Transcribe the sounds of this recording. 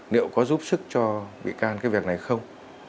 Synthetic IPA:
nḭ˧˨əwkɔ˨˦zu˦˥p̚sɨ˦˥k̚t͡ɕɔ˧vḭ˧˨kaː˧nkaː˨˦jvi˨˩k̚na˨˩jxə˧wŋ͡m

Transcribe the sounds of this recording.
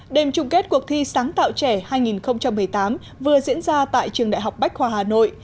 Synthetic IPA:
ɗe˨˩mt͡ɕʊ˨˧˩ŋ͡mke˦˥t̚ku˨˩ək̚t̪ʰi˧saː˨˦ŋt̪a̰ː˧˨wt͡ɕɛ˧˩haː˧jŋi˨˩nxə˧wŋ͡mt͡ɕa˧mːɨ˨˩əjt̪aː˨˦m | vɨ˨˩əzḭ˧˥ənzaː˧t̪a̰ː˧˨jt͡ɕɨ˨˩əŋɗa̰ː˧˨jɦa˨˩wk͡p̚ɓa˦˥jk̚hwaː˨˩haː˨˩no̰˧˨j

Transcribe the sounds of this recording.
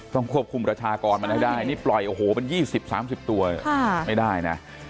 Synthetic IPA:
t̪ɔ˥˩ŋkʰu˥˩əp̚kʰu˧mpɾa˧t͡ɕʰaː˧kɔː˧nma˧nma˥˩jda˥˩jniː˥˩plɔ˨˩jʔoː˧˩hoː˩˦ma˧njiː˥˩si˨˩p̚sa̰ː˩˦msi˨˩p̚t̪u˧ɐ˩˥˩ma˥˩jdaː˥˩jna̰˦˥

